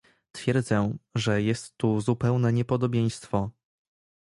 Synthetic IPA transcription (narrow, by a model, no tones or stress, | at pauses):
t̪fʲjɛɾd̪zɛʐɛjɛst̪ːuzupɛwnɛɲɛpɔd̪ɔbʲjej̃st̪fɔ